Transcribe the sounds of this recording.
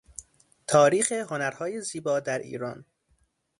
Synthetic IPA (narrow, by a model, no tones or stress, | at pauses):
t̪ʰɒːɾiːxeɦo̞næɾhɒːjeziːbɒːd̪æɾḭːɾɒːn